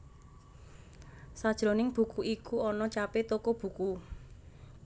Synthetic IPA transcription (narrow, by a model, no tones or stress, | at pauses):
sad̥ʒ̥ɾo̤nɪŋb̥ṳkuʔikuɔnɔt͡ʃapet̪okob̥ṳku